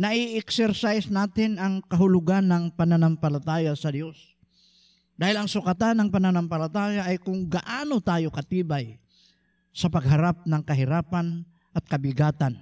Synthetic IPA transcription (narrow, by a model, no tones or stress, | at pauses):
nɐʔɪʔɛksɛɾsajsnaːt̪ɪnɐŋkɐɦʊlʊɡanːɐŋpɐnanampɐlat̪aːjasɐd̪jo̞s | d̪aːhɪlɐŋsʊkat̪anːɐŋpɐnanampɐlat̪aːjaʔːjkʊŋɡɐʔaːnot̪aːjokɐt̪iːbaj | sɐpɐɡ̚ɦaɾap̚nɐŋkɐɦɪɾaːpan | ʔɐt̪̚kɐbɪɡaːt̪an